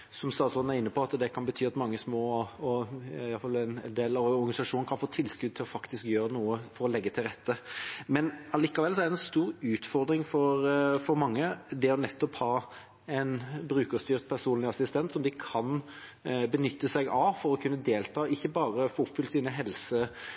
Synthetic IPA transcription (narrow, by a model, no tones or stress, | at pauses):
sɔmst̪ɑːt̪sɔnn̩æɾɪnːəpʰɔɑt̪d̪ɛkʰɑnbət̪ʰyːɑt̪mɑŋːəsmoːɔɑfɑlːɪnnd̪eːlɑʋɔɾɡɑnɪsɑʂuːnəkʰɑnfoːt̪ʰɪlːskʉd̪̚t̪ʰɪlɔfɑkt̪ɪskjøːɾənuːəfɔɾɔlɛɡːət̪ʰɪlɾɛt̪ːəmɛnɑliːkɑʋɛlsɔɛɾd̪ɛnst̪uːɾʉːt̪fɔɾd̪ɾɪŋfɔɾfɔɾmɑŋːəd̪ɛɔnɛt̪ːɔphɑː | ɛɪnbɾʉːkəst̪yːʁt̪̚pʰæʁsuːnlɪɑsɪst̪ɛnt̪sɔmd̪ɪkʰɑn | bənʏt̪ːəsɛɡɑfɔɾɔkʰʉnːəd̪eːlt̪ʰɑːɪçːəbɑːɾəfoːʊpfʏlt̪siːnəɦɛlsə